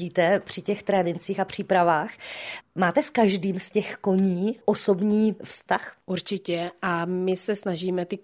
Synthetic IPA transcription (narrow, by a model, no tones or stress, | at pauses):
iːt̪ɛpr̝̥ɪcɛxt̪ɾɛdɪnt͡siːxapr̝̥iːpɾavaːxmaːt̪ɛskaʒdiːmscɛxko̞ɲiːʔo̞so̞bɲiːfst̪axʔuɾt͡ʃɪcɛʔamɪsɛsnaʒiːmɛt̪ɪ